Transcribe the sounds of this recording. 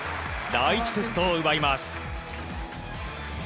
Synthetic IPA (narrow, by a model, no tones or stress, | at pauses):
d̪ait͡ɕi̥set̪ːoɯbaimasɨ̥